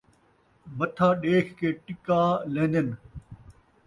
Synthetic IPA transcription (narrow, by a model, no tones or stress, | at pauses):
mɐt̪ʰaːɗeːkkeːʈɪkaːlẽːnd̪ən